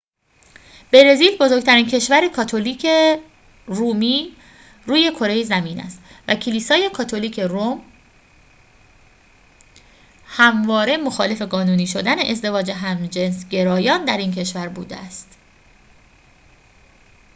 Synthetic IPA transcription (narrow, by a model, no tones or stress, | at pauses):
b̥e̞ɾe̞ziːlbo̞zoɾɡ̚t̪ʰæɾiːncʰe̞ʃvæɾekʰɒːt̪ʰoliːkʰe | ruːmiː | ɾuːje̞kʰo̞ɾe̞jezæmiːnæ̰st̪ | væcʰeliːsɒːje̞kʰɒːt̪ʰo̞liːcʰe̞ɾom | hæmvɒːɾe̞mo̞xɒːle̞fe̞ɡɒːnuːniːʃo̞d̪æne̞ʔezd̪e̞vɒːd͡ʒeɦæmd͡ʒensɟe̞ɾɒːjɒːnd̪æɾiːncʰe̞ʃvæɾbuːd̪ḛæst̪